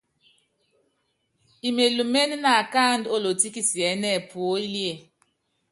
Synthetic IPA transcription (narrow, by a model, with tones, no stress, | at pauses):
i˨me˨lu˨me˦n˦na˨ka˦˨ndo˦lo˨ti˦ki˦si˨ɛ˨˦nɛ˦˨pu˨o˦i˦li˦e˦˨